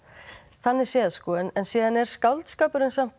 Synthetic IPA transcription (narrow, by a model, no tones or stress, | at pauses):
θanːɛɾ̥sjɛːðaskɔːɪnɛnsiːðanɛɾ̥skawlt̪skaːpʏɾɪnsam̥